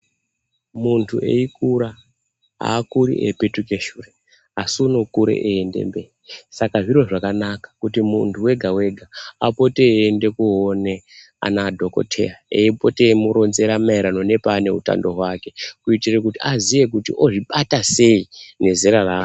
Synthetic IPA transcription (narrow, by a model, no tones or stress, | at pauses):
muntʰuʔe̞̰ikuɾa | a̰ːkuɾḭʔepe̞tuke̞ʃure | asunokuɾḛʔeːndḛmbe̞isakaʐiro̞ʐakanakḁkutimuntʰuwe̞ɡʱawe̞ɡʱaapo̞te̞ːnde̞kuɦone̞ | a̰naːdʱo̞ko̞̰tʰe̞̰raḛipo̞te̞muɾo̞nze̞ɾamaiɾano̞ne̞paːne̞ɦuta̰ndo̞ɦwake̞kuitirek̬utiazije̞k̬utḭʔo̞ʐiɓatase̞ine̞zeɾaraː